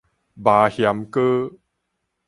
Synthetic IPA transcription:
baː˨hja˨˦mkə˦

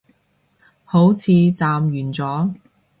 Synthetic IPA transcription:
ho˨˥wt͡sʰiː˨˧t͡saː˨mjyː˨˩nt͡sɔː˨˥

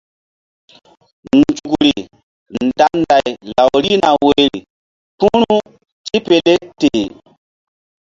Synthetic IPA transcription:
n˨d͡ʒu˨kɾi˨ | nda˨nda˨jla˨wɾi˦na˨we˦˨jɾi˨ | pũ˦ɾu˦ | ti˦pe˨le˦te˨

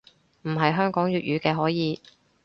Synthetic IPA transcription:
m̩˨˩ɦɐ˨jɦœː˥ŋkɔː˨˥ŋjyː˨t̚jyː˨˧kɛː˧ɦɔː˨˥jiː˨˧

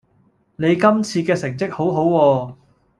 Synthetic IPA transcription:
ne˨˧jkɐ˥mt͡sʰiː˧kɛː˧sɪ˨˩ŋt͡sɪ˥k̚ho˨˥wɦo˨˥wwɔː˧

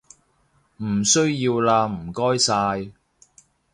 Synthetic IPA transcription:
m̩˨˩sɵ˥ɥjiː˧wlaː˧m̩˨˩kɔː˥jsaː˧j

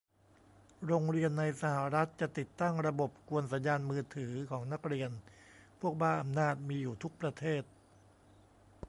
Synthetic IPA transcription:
ɾoː˧ŋɾi˧ənːa˧jsa˧ha˨˩ɾa˦˥t̪̚t͡ɕa˨˩t̪i˨˩t̪ːa˥˩ŋɾa˧bo˨˩p̚ku˧ənsa˩˦njaː˧nmɯː˧t̪ʰɯː˩˦kʰɔː˩˦ŋna˦˥k̚ɾi˧ənpʰu˥˩ək̚baː˥˩nʔa˧mnaː˥˩t̪̚miː˧juː˨˩t̪ʰu˦˥k̚pɾa˧t̪ʰeː˥˩t̪̚

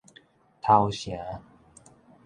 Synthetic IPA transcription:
t̪ʰa˧ʊwɕja˨˦

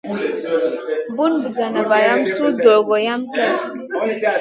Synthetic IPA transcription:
bu˦nbu˨za˨na˨va˨ja˦msu˦do˨ɡo˨ja˦mtɛ˦˨˦

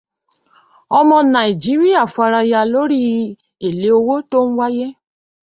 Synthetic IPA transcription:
ɔ˧mɔ̃˧nã˨i˨d͡ʒi˨˦ɾi˦a˦˨fa˧ɾa˧ja˧lo˦ɾi˦ | e˨le˨˦o˧wo˦to˦ñ̩˦wa˦je˦

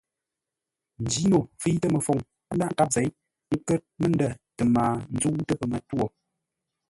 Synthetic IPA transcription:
n̩˨d͡ʒi˨˦no˨fi˦tə˦mə˨fo˨ŋ | ə˦nda˦ʔŋ˦ka˦p̚ze˨˦j | ŋ̩˦kə˦t̚mə˦n˦də˦˨tə˨maː˨n̩˦zu˦wtə˦pə˨mə˨two˦˨

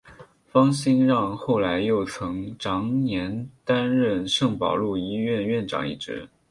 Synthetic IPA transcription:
fɑ˥ŋɕi˥nɻɑ˥˧ŋxo˥˩ʊla˧˥ɪjo˥˩ʊt͡sʰɤ˧˥ŋʈ͡ʂɑ˧˥ŋnjɛ˧˥nt̪a˥nɻə˥˧nʂɤ˥˩ŋpɑ̰˨˩ʊlu˥˩ii˥ɥɛ˥˧nɥɛ˥˩nʈ͡ʂɑ̰˨˩ŋḭ˥˩ʈ͡ʂɻ̩˧˥

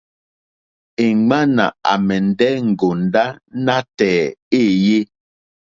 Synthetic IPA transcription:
e˨ɡ͡ba˦na̰˨a̰˨mɛ˨n̩˨dɛ˦ŋ̩˨ɡo˨n˨˦da˦na˦tɛː˨e˦˨je˦

